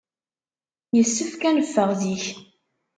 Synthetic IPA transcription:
jəsːəfkænəfːəʁðiç

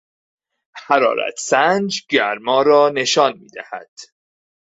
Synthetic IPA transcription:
hæɾɒ̰ːɾæ̰t̪ʰsænd͡ʒɟæɾmɒːɾɒːne̞ʃɒːnmḭːd̪æhæ̰d̪̥

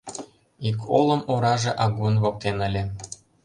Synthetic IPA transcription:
ikʰolˠɤ̆moɾɑʒĕʔɑɣunβok̚t̪enə̆lʲĕ

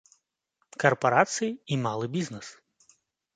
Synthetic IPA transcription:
kɐrpɐɾat̪sɨjiimɑlˠɨbʲiznɛs

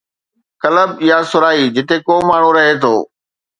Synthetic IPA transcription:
kɐləbɪjasʊɾaːiːd͡ʑɪt̪ekoːmaːɳ̤ũɾɐɦet̪ʰo̰ː

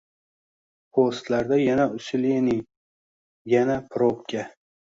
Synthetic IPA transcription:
pʰost̪laɾd̪ajanaʊsɪlenɪ | janapʰɾopkʲʰa

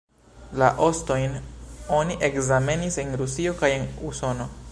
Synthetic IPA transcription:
laʔo̞sto̞jno̞niʔe̞kzame̞nise̞nɾusio̞kajenuso̞no̞

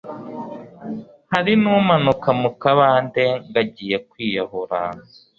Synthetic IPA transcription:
haɾinuːmanukamukaβaːndeŋɡaɟiːje̞kwiːjaɦoɾa

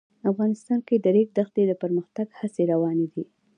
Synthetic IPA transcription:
afɣɑnɪst̪ɑnked̪əɾek̚d̪axt̪ed̪əpəɾməxt̪aɡhaseɾawɑned̪i

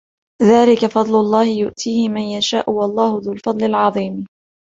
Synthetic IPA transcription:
ðaːlɪkafɑd̪ˤlʊlˤːɑːhɪjʊʔt̪ʰiːhɪmanjaʃaːʔʊwɑlˤːɑːhʊðʊlfɑd̪ˤlɪlʕɑðˤiːm

